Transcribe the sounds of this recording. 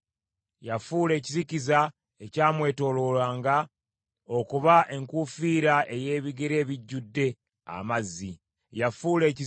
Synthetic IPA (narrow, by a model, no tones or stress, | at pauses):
jafuːle̞ːciziciza | e̞caːmwe̞ːto̞ːlo̞lwaːŋɡa | o̞kuβaʔe̞ŋkufiːɾaʔe̞je̞ːβiɡeɾe̞ːβiɟːudːe̞ | a̰mazːi | jafuːle̞ːci